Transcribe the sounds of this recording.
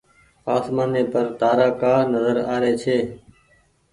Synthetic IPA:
aːsmaːneːpəɾt̪aːɾaːkaːnəzəɾaːɾeːt͡ʃʰeː

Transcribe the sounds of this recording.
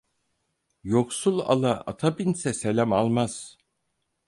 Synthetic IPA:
joksulˠa̰lˠaa̰t̪ʰabinsɛselʲæmalˠmaz̥

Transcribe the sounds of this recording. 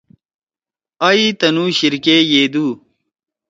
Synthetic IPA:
ɐit̪ɐnuːɕiɾkeːjeːd̪uː

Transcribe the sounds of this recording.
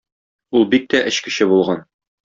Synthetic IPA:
ulˠbik̚t̪æʔɘ̆ɕkɘ̆ɕɘbulˠʁɑn

